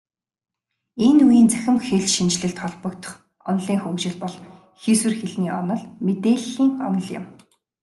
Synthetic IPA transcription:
enujiːnt͡sæ̥xʲɪ̆mxeɮʃint͡ɕɮɘ̆ɬt̪χɔɮpɞ̆kt̪ʰɞ̥̆χ | ɔnɮiːŋxukt͡ɕɪ̆ɮpɔɮ | xiswɘ̆rxeɮniːʔɔnɞ̆ɮmet̪eːɮxiːŋɔ̰nɞ̆ɮjʊ̰̆m

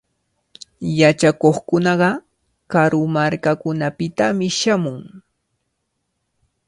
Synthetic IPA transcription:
jat͡ʃakoχkʊnɑɢɑ | kaɾʊmaɾkakʊnapɪt̪amɪʃamʊŋ

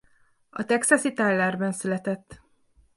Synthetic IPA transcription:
ɒt̪ɛksɒsit̪alːaːrbɛnsylɛt̪ɛt̪ː

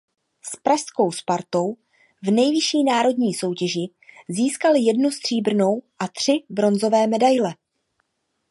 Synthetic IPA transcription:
spɾaʃsko̞wspaɾt̪o̞w | vnɛjvɪʃiːnaːɾo̞dɲiːso̞wcɛʒɪ | ziːskalɪjɛdnust̪r̥iːbr̩no̞wʔat̪r̝̥ɪbɾo̞nzo̞vɛːmɛdajlɛ

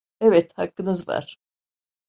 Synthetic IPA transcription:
evɛt̪hakːɯnɯzva̰ɾ̥

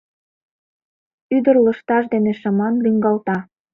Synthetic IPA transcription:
yd̪ərlə̆ʃt̪ɑʃd̪eneʃəmɑnlyŋɡɑlt̪ɑ

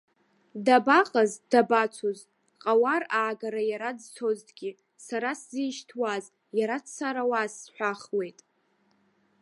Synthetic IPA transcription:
dabaqʼazdabat͡sʷʰoz | qʼawaraːɡaɾajaɾad͡ztʰo̞ztʰʼɡʲi | saɾaszijʃtʰwaz | jaɾat͡ssaɾawasːħʷᶣaχwe̞jtʼ

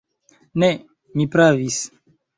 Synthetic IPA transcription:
ne | mipɾavis

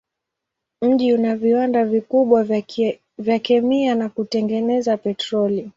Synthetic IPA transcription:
m̩ʄiunaviwandavikuɓwa | vjakɛmianakutɛŋɡɛnɛzapɛtɾɔli

